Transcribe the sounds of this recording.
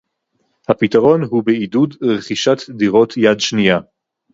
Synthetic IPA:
hapitaʁo̞nhubeidudʁeχiʃat̪diʁo̞tʰjadʃnija

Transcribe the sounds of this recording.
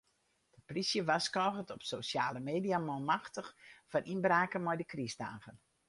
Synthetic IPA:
d̥əprisjəʋaskɔːɣətɔpsosjaːləmeːdijamɔlmaxtəxfanʔinbraːkəmɔjdəkrisda̰ːɣən

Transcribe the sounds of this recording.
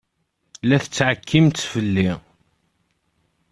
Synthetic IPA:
læθət͡sːʕəkʰːimt̪ːfəlːi

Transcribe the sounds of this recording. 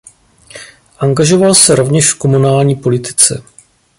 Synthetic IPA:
ʔaŋɡaʒo̞valsɛɾo̞vɲɛʃfko̞munaːlɲiːpo̞lɪt̪ɪ̥t͡sɛ̰

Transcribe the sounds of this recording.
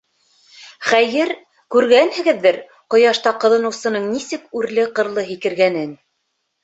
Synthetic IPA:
χæjɘɾ | kʉɾɡænhɘ̆ɡɘ̆ðːɘɾ | qŏjɑʃt̪ɑqɤ̆ðɤ̆nɤ̆wsɤ̆nɤɴnisɘkʉɾlɘqɤ̆ɾlˠɤɦikɘ̆ɾɡænɘn

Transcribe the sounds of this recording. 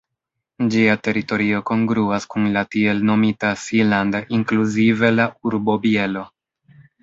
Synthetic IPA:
d͡ʒiate̞ɾito̞ɾio̞ko̞ŋɡɾuaskunlatie̞lno̞mitasilandaʔiŋkluzive̞lauɾbo̞bielo̞

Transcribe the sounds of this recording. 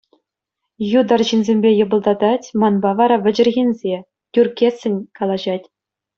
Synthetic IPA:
jud̪ɑrʑinʲzʲemʲbʲejɤ̆bɤ̆lˠd̪ɑd̪ɑtʲmɑnbɑʋɑɾɑʋʲɘ̆d͡ʑɘ̆rɣʲinʲzʲe | tʲyrkʲesʲːɘ̆nʲkɑlˠɑʑɑtʲ

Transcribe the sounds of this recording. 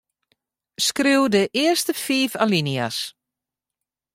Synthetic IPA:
skriwdəʔɪəstəfiːfalinia̰s

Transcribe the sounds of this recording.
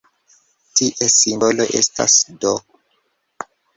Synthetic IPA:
tiʔesimbolo̞ʔe̞̰sta̰sdo

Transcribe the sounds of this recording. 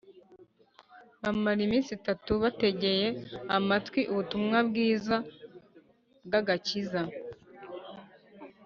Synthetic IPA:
βamaɾimiːnsitatuβate̞ɟe̞je̞amatwiʔuβutumŋabɡiːza | bɡaɡaciza

